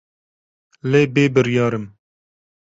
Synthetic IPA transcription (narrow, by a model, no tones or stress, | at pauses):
leːbeːbɨɾjɑːɾɨm